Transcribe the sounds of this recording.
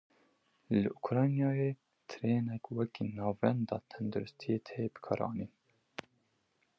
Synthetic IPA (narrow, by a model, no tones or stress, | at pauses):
lɨʔukʰɾɑːjnjɑːjeː | t̪ʰɨɾeːnɛkwɛkiːnɑːvɛnd̪ɑ̰ːt̪ʰɛnd̪uɾʊst̪ʰijet̪ʰɛjebɨ̥kʰɑ̰ːɾɑ̰ːniːn